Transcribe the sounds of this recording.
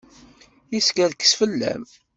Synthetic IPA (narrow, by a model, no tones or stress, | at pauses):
iskəðkə̥sfəlːæ̰m